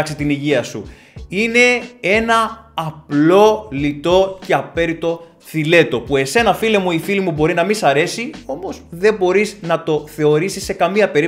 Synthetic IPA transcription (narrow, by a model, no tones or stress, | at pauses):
ksit̪iniʝiɐsṵ | ine̞e̞nɐːplo̞lit̪o̞ce̞ɐpe̞ɾit̪o̞ | θile̞t̪o̞pue̞se̞nɐfilemuifilimubo̞ɾinɐmisɐɾe̞sio̞mo̞sðe̞bo̞ɾiznɐt̪o̞θe̞o̞ɾisisːe̞kɐmiɐpe̞ɾi